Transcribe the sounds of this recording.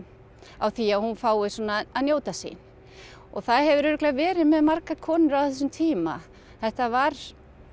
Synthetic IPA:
awθiaðhunfaːwɪsɔːnaːnjoːwt̪asḛjn | ɔɣθaðɦɛvʏɾʏɾʏklɛɣavɛːɾɪðmɛðmaɾkakʰɔːnʏɾawθɛs̬ʏmt̪ʰiːma̰ | θɛht̪avaɾ̥

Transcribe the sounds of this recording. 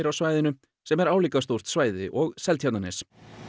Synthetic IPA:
ɾawsvaːjðɪnʏ | sɛmɛɾaːwliːkast̪owr̥t̪svaːjðɪʔɔɣsɛlt̪ʰjawt̪anɛs

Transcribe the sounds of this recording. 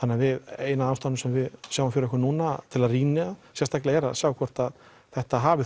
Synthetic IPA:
θanːɪavɪðeːjnaðawst̪anɪmsɛmvɪðsjaːwafɪɾɛhkʏɾnuːnat̪ʰɪlaðriːnɪasjɛ̥st̪aklɪɣɛɾa̰ðsjaːwkʰvɔr̥t̪að | θɛht̪aɦaːvɪ

